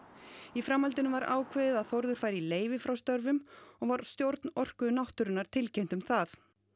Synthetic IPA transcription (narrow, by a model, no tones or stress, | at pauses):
ifɾamːalt̪ɪnʏmvaɾʔa̰ːwkʰvɪðɪðaðθowɾðʏɾ̥faːjɾileːjvɪfɾawst̪œɾvʏmɔɣvaɾ̥st̪jowɾt̪nɔr̥kʏnawht̪ʏɾʏnːaɾt̪ʰɪlcɛjn̥t̪ʏmθaθ